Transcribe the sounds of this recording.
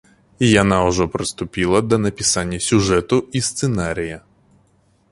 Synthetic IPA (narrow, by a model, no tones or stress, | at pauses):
ijɐnɑʊʒɔpɾɪst̪ʊpʲilˠɐd̪ɐnɐpʲɪsɑnʲːɐsʲʊʒɛt̪ʊist̪senɑɾʲijɐ